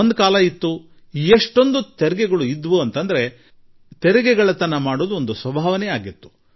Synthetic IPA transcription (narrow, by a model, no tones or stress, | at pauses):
ond̪kaːlɐit̪ːu | ieʂʈo̞nd̪ut̪ɛɾɛɡɛɡɐɭuid̪ʋuɐnt̪ɐnd̪ɐɾe̞ | t̪ɛɾɛɡɛɡɐɭɐt̪ɐnːɐmaːɽoːd̪uond̪usʋɐbʱaːʋɐnɛjaːɡit̪ːu̥